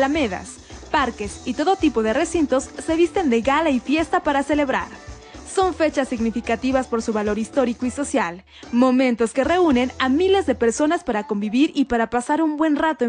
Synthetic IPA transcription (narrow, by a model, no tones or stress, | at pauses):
lameða̰s | paɾke̞sit̪o̞ðo̞t̪ipo̞ðere̞sint̪o̞sːe̞βist̪e̞nd̪eɣalaifje̞st̪apaɾase̞le̞βɾa̰ɾ | so̞ɱfe̞t͡ʃasːiɣnifikat̪iβaspo̞ɾsuβalo̞ɾist̪o̞ɾikoiso̞sjal | mo̞mẽnt̪o̞ske̞re̞une̞namile̞zðe̞pe̞ɾso̞naspaɾako̞mbiβiɾipaɾapasaɾumbwe̞nrat̪oe